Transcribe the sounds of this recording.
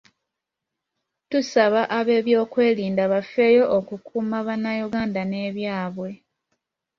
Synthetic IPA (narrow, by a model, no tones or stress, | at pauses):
tusaβaʔaβe̞ːβjo̞ːkwe̞ːliːndaβafe̞ːjo̞ʔokukʰuːmaβanːajuɡaːndane̞ːβjaːβwe̞